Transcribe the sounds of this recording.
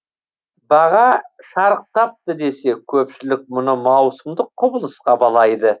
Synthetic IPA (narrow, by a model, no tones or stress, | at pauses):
bɑʁɑʃɑɾəq̚t̪ɑp̚t̪əd̪e̞se̞kʲʰɵpʃɪlɪk̚mʊnəmɑwsəmd̪əqʰːʊbəlˠəsqɑbɑlˠɑjd̪ə